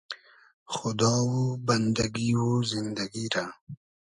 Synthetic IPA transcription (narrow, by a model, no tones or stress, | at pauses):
xʊd̪ɑːwobɐnd̪aɡiwozind̪aɡiɾa